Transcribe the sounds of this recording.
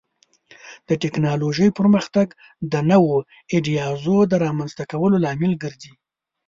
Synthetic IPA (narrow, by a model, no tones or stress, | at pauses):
d̪̥əʈeknɑloʒəjpəɾməxt̪aɡ | d̪ənəwo | ɪɖijɑzod̪əɾɑmanzt̪akawəlolɑmɪlɡəɾzi